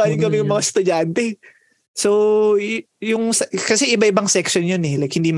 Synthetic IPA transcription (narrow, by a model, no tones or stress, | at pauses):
alɪŋkɐmɪjɐŋmɐŋast̪ʊd͡ʒant̪ɛ | so | jʊŋsɛkɐsɛʔɪbaʔɪbɐŋsɛksjonjonɛlɐjk̚hɪnd̪im